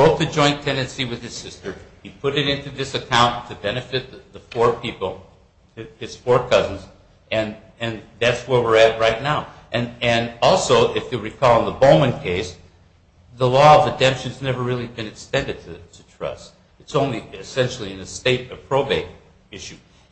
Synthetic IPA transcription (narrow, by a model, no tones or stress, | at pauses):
bɹoʊt̪̚ðɨd͡ʒɔ̃ɪ̃ntʰɛ̃ndɨ̃nsiwɨð̥ɨz̥sɪstə˞ipʰʊɾɨɾɪ̃ntʉðɪsɨkʰãʊ̃ntʰɨbɛnɨfɨt̪̚ððəfɔɹpʰipl̩ˠ | ɨz̥fɔɹkʰʌz̃n̩z | ɨ̃n | ɨ̃nðætswə˞wɪɹɨt̚ɹaɪtⁿnaʊʔɨ̃nɨ̃nɔlˠsoʊʔɪfjɨɹikʰɔlˠə̃nðəbõʊ̃mɨ̃nkʰeɪs | ðəlɔʌvɨdɛ̃mpʃɨ̃nznɛvə˞ɹɪlˠibɨ̃nɨkstɛ̃ndɨd̚tʰɨtʰɨtʰɹ̥ʌ̰st | ɨtsõʊ̃nliɨsɛ̃nʃl̩ˠiɨ̃nɨsteɪɾɨpʰɹ̥oʊbeɪɾ | ɪʃʉ